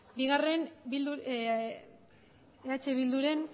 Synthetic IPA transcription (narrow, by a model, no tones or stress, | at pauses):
biɣare̞nbild̪u | eat͡ʃe̞βild̪uɾe̞n